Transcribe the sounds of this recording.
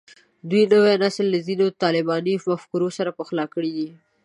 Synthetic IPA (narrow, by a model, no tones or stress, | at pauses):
d̪wujnəwenaslːazinot̪ɑlɪbɑnimafkuɾosaɾapəxlɑkəɽid̪i